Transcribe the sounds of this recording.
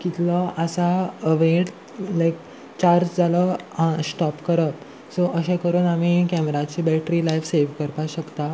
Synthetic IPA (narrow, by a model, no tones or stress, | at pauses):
kit̪ləəsaəʋeɽ | lajk | t͡ɕaɾd͡ʑd͡zʱalə̃sʈɔpkəɾəp̪ | soʔəɕẽkəɾuːnamikɛmɾat͡ɕiːbɛʈɾilajfseʋkəɾpaɕəkt̪a